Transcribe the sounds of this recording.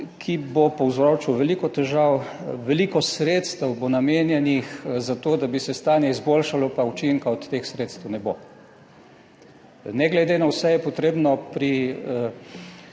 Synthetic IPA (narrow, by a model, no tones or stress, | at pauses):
kʰibopɔwzɾoːt͡ʃuʋɛlikɔt̪ɛʒaw | ʋɛlikɔsɾet̪st̪ɛwbonameːnjɛnixzat̪oːd̪abisɛst̪aːnjɛizboːlʃalɔpaut͡ʃiŋkaɔt̪t̪ːexsɾeːt̪st̪əwnɛbo | nɛɡlɛd̪enawsɛjɛpɔt̪ɾeːbnɔpɾi